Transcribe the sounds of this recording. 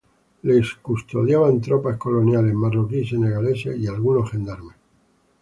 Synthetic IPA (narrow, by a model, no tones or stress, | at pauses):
leskust̪o̞ðjaβant̪ɾopasko̞lo̞njale̞zmarokiseneɣalesḛialɣuno̞xe̞nd̪aɾme